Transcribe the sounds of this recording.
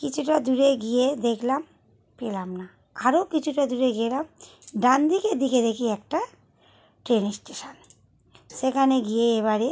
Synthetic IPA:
kit͡ɕʰuʈad̪uɾeɡijed̪ekʰlam | pelamna | aɾokit͡ɕʰuʈad̪uɾeɡielam | ɖand̪ikeɾd̪iked̪ekʰiɛk̚ʈa | ʈɾenisʈeʃan | ʃekʰaneɡijeeβaɾe

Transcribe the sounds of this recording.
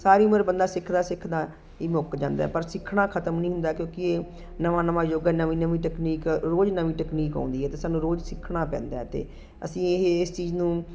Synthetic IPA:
saːɾiːʊməɾbənd̪aːsɪkʰd̪aːsɪkʰd̪aː | iːmokd͡ʒã̰ːnd̪a̰ːɛːpəɾsɪkʰːɽãːkʰət̪əmnəĩːɦʊ̃nd̪aːkjõːkɪeː | nəʋãːnəʋãːjoːɡɛːnəʋĩːnəmĩːʈɛːkniːkɾoːd͡ʒnəʋĩːʈɛːkniːkã̰ːnd̪iːɦɛːt̪eːsaːnːũːɾoːd͡ʒsɪkʰɽ̃ãːpɛ̰̃ːnd̪aːt̪ḛː | ə̰sĩːɪɦɪst͡ʃiːznũː

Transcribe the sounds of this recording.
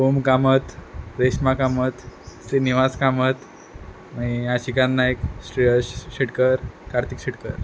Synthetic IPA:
omkamət̪ɾeɕmakamət̪sɾiniʋaskamət̪ | maiaɕikãnːajksɾiəɕɕeʈkəɾkaɾt̪ikɕiʈkəɾ

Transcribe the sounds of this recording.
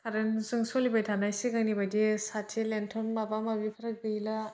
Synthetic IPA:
tʰaɾensɯŋsolibajtʰanajsiɡaŋnibadisatʰilentʰɔnmabamabipʰɐɾɯk̚dɯila

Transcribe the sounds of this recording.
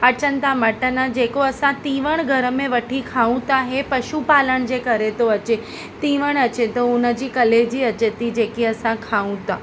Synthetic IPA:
ət͡ʃənt̪aməʈənãd͡ʒekoəsãt̪iʋəɳ̃ɡʱəɾəmẽʋəʈʰikʰaʋũt̪aɦepəʃupaləɳd͡ʒekəɾet̪oət͡ʃe | t̪iʋəɳ̃ət͡ʃet̪oũnəd͡ʒikəled͡ʒiət͡ʃet̪id͡ʒekiəsãkʰaʋũt̪a

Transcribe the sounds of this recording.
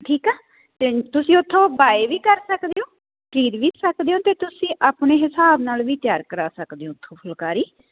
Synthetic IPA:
ʈʰiːkɛː | t̪eːt̪ʊsĩːʊt̪ʰːõːbaːeʋiːkəɾsəkd̪eːõː | ʈɾiːɾʋiːsəkd̪eːõːt̪eːt̪ʊsĩːʔaːpneːɦɪsaːbnaːlʋiːt̪jaːɾkəɾaːsəkd̪eːõːt̪ʰːõːpʰʊlkaːɾiː

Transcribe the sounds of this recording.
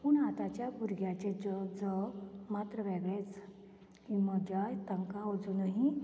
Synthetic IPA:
puɳat̪at͡ɕjabuɾɡjat͡ɕed͡zəd͡zəɡmat̪ɾəʋeɡɭet͡s | kiməd͡ʑajt̪əŋkaəd͡zunəɦi

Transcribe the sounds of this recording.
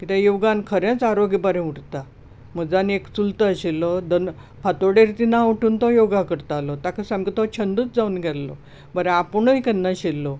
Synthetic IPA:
kit̪ãjoɡankʰəɾjãt͡saɾoɡibaɾẽuʈt̪a | məɡd͡zanekt͡sult̪əəɕelːɔd̪ən | pʰat̪oɽeɾt̪inauʈʰuːnt̪ɔjoɡakəɾt̪alɔt̪akʰəsãmkit̪ɔt͡ɕʰənd̪ut͡sd͡zaunɡʱɛlːɔ̰ | bəɾɛapɳoikənːaɕelːɔ

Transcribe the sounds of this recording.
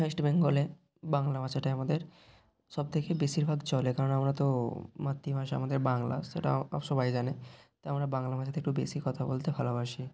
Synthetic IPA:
aʃʈbeŋɡole | baŋlamat͡ɕʰaʈaamad̪eɾ | ʃɔb̚t̪ʰekebeʃiɾbʱaɡt͡ɕɔlekaɾonamɾat̪omat̪ːimaʃaa̰mad̪eɾbaŋla̰ʃḛʈa̰ɔ̰ʃɔbajd͡ʑanet̪aamɾabaŋlamat͡ɕʰat̪ʰeekʈubeʃikɔt̪ʰabolt̪ebʱalobaʃi

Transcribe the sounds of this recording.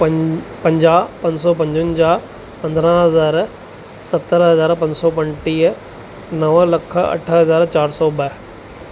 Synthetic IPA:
pɐ̃ɲd͡ʑaːpɐ̃ɲsɔːp̬ɐ̃ɲd͡ʑʊnɪ̆d͡ʑaː | pɐ̃nd̪ɾə̃ɦɐzaːɾ | sɐt̪ːəɾɦɐzaːɾpɐ̃ɲsɔːpɐ̃nʈiːə | nɐʋlɐkʰɐ̰ʈʰəɦɐzaːɾt͡ɕaːɾsɔːbɐ

